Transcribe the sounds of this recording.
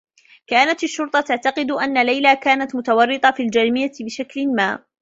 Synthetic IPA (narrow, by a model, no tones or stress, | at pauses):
kaːnat̪aʃːʊɾt̪ˤɑt̪aʕt̪ɑqɨd̪ʔanːalajlaːkaːnat̪mʊt̪awɑrːɨt̪ˤɑfiːld͡ʒaɾmɪjːabɪʃaklɪmaː